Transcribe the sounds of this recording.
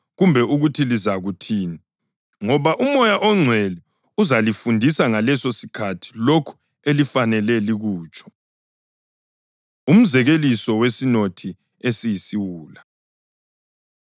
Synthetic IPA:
ɣumbʱɛuɣutʰilizaɣutʰiːni | ŋɔβaʔumɔjaʔɔŋ͡ǀʱwɛli | uzalifundʱisaŋalɛsosikʰatʰi̥lokʰu̥ | elifanɛlɛliɣuːt͡ʃʼɔ̥ | um̩zɛɣelisɔwesinotʰi | esijisiwuːla

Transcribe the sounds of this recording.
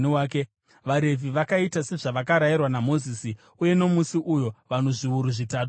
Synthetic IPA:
iaːke | ʋaɾe̞vʱiʋakaitase̞ʐaʋakaɾajirwanamo̞ziːsi | uje̞no̞musiʔujo̞ʋano̞ʐiuɾuʐitaːto

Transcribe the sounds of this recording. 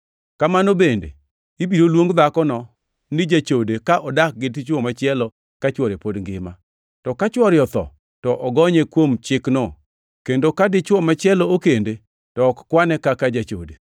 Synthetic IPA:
kamanobendḛ | ibiɾolwoŋɡd̪akɔnɔ | nɪd͡ʒat͡ʃodekaʔɔdak̚ɡɪtɪt͡ʃwɔmat͡ʃɪɛlɔ | kat͡ʃwɔɾepodŋɡɪ̰ma | tɔkat͡ʃwɔɾjɔt̪ɔ̰ | tɔʔɔɡɔɲekwomt͡ʃɪknɔ | kendokadɪt͡ʃwɔmat͡ʃɪɛlɔokende | tɔkkwanɛkakad͡ʒat͡ʃo̰de

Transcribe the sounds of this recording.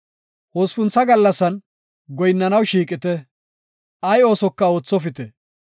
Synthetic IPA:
hoːspʊnt͡sːɐɡɐlːɐsːɐn | ɡɔjnːɐnɐwʃiːkʼɪt̪ɛ | ʔɐjo̞ːsɔkːɐo̞ːt͡sːɔfɪt̪ɛ

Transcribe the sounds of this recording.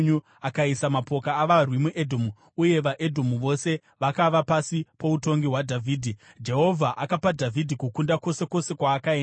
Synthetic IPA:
ɲu | akaisamapo̞kaːʋarwimuʔedʱomu | uje̞ʋaʔe̞dʱomuʋo̞se̞ | ʋakaʋapasipo̞uto̞ŋɡiɦwadʱavʱiːdʱi | d͡ʒe̞ɦo̞vʱaʔakapadʱavʱidʱikukundako̞se̞ko̞se̞kwaːkaeːn

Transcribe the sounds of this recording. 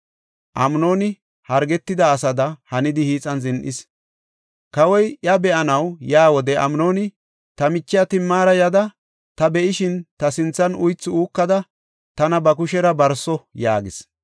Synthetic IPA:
ʔɐmno̞ːnɪ | hɐɾɡɛt̪ːɪd̪ɐːs̬ɐd̪ɐhɐnɪd̪ɪhiːt͡sʼɐnzɪnʔɪs | kɐwɔjʔɐbɛʔɐnɐwjaːwɔd̪ɛʔɐ̰mnoːnɪ | t̪ɐmɪt͡ʃːɪjɐt̪ɪmːaːɾɐjɐd̪ɐ | t̪ɐbɛʔɪʃɪnt̪ɐsɪnt͡sːɐnʊjt͡sːɪuːkːɐd̪ɐ | t̪ɐnɐbɐkʊʃɛɾɐbɐɾsɔjaːɡɪs

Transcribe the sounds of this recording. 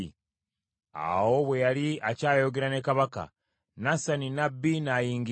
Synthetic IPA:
a̰wo̞βwe̞jaɾiacaːjo̞ɡeɾane̞kaβaka̰ | nasaninabːinajiːŋɡi

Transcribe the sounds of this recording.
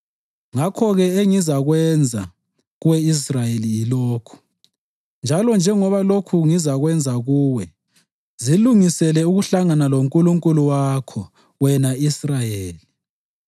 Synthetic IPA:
ŋakʰɔɣɛeŋizaɣwɛnd͡zʱa | ɣuwɛis̬rajeliːlɔːkʰu̥ | nd͡ʒʱalɔnd͡ʒʱɛŋɔβalokʰuŋizaɣwɛnd͡zʱaɣuːwɛ | ziluŋisɛlɛuɣuɬaŋanaloŋkʼuluŋkʼuluwakʰɔ | wɛnaisrajeːli

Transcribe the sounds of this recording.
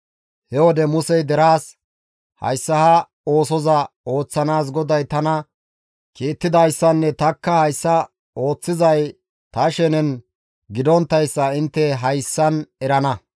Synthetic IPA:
hɛwɔd̪ɛmʊsɛjd̪ɛɾaːs | hɐ̰jsːɐhɐ | o̞ːsɔzɐo̞ːt͡sːɐnaːs̬ɡɔd̪ɐjt̪ɐnɐ | kiːt̪ːɪd̪ɐjsːɐnːɛt̪ɐkːɐhɐjsːɐ | o̞ːt͡sːɪzɐj | t̪ɐʃɛnɛn | ɡɪd̪ɔnt̪ːɐjsːɐɪnt̪ːɛɦɐjsːɐnɛɾɐnɐ

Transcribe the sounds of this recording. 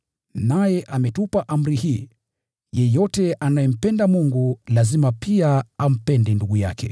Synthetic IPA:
najɛʔamɛtupaʔam̩ɾihiː | jɛjɔtɛʔanajɛm̩pɛndamuŋɡulazimapiaam̩pɛndinduɡuja̰kʰɛ̰

